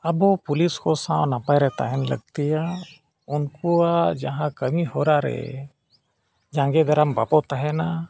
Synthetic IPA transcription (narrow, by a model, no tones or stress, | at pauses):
abɔpuliskɔsãwnapajɾɛt̪a̰ɦɛnlə̰ɡt̪ija | unkuad͡ʒaɦãkəmihɔɾaɾɛ̰ | d͡ʒãŋɡɛd̪aɾambapɔt̪aɦɛna